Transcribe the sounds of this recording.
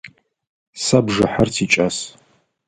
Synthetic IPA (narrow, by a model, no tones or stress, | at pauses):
sabʐɐħartʰit͡ʃʼas